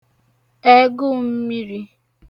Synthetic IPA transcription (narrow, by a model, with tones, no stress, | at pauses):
e˦ɡʊ˦m̩˦mi˦ɾi˦